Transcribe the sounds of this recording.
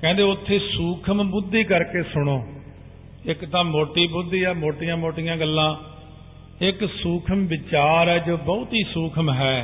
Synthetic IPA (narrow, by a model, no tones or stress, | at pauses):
kɛ̃ːnd̪eːʊt̪ʰːeːsuːkʰəmbʊd̪ːiːkəɾkeːsʊɽ̃oː | ɪkt̪ãːmoːʈiːbʊd̪ːiːɛːmoːʈɪjãːmoːʈɪjãːɡəlːãː | ɪksuːkʰəmʋɪt͡ʃaːɾɛːd͡ʒoːbɔʊt̪ɦiːsuːkʰəmɦɛː